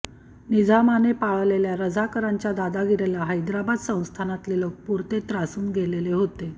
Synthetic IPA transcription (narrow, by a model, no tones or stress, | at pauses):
nid͡zʱamanepaɭleljaɾəd͡zʱakəɾaɲt͡ɕjad̪ad̪aɡiɾelaɦəjd̪ɾabad̪sə̃w̃st̪ʰanat̪lelok̚puɾt̪et̪ɾasuːnɡʱeleleɦot̪e